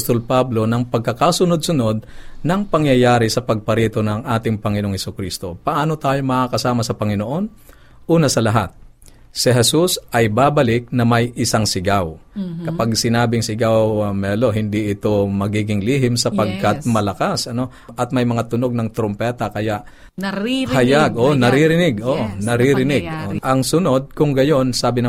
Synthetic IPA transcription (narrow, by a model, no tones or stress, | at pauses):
st̪olpablo̞nɐŋpɐɡ̚kɐkasʊnod̪̚sʊno̞d̪̚nɐŋpɐŋjɐjaːɾɪsɐpɐɡ̚pɐɾiːt̪o̞nɐŋʔaːt̪ɪŋpɐŋɪnooŋhɛsʊkɾist̪o̞pɐʔaːno̞t̪aːjo̞mɐʔakɐsaːmɐsɐpɐŋɪnoʔo̞n | ʔuːnɐsɐlɐɦat̪̚ | sɪɦɛsusʔɐjbaːbɐlɪk̚nɐmɐjʔɪsaŋsɪɡawkɐpaɡsɪnaːbɪŋsɪɡawmɛːlo̞ɦɪnd̪iʔɪt̪o̞mɐɡiːɡɪŋliːɦɪmsɐppɐɡ̚kɐt̪̚mɐlɐkasʔɐno̞ | ʔɐt̪̚mɐjmɐŋat̪ʊno̞ɡ̚nɐŋt̪ɾompɛt̪ɐkɐjaʔ | hɐjaɡʔonɐɾiɾɪnɪɡoʔonɐɾiɾɪnɪɡ̚oʔɐŋsʊno̞d̪̚kʊŋɡɐjo̞nsaːbɪnɐ